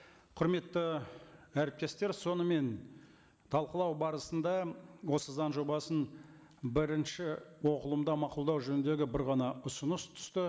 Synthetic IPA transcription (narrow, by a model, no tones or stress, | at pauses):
qʰʊɾme̞t̪ːə | æɾɪp̚t̪e̞st̪e̞ɾso̞nəme̞n | t̪ʰɑlˠqəlˠɑwbɑɾəsənd̪ɑwo̞səzɑnʒo̞bɑsən | bɪɾɪnʃɪwo̞qəlˠəmd̪ɑmɑqʊlˠd̪ɑwʒɵnɪnd̪e̞ɡʲɪbɪɾʁɑnɑʊsənəst̪ʰʏ̥st̪ɪ